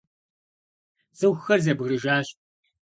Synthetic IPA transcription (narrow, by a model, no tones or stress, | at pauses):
z̥ɨwxɐrzɐbɣrɨʒaːɕ